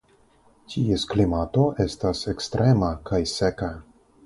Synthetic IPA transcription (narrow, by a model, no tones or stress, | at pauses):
tʰiesklimato̞ʔe̞stasekstɾʔe̞makʰajseka